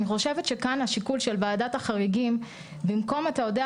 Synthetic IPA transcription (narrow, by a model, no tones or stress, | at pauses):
niχo̞ʃevetʃe̞kanaʃikulʃe̞lvaːdathaχaʁiɡim | bimko̞matao̞de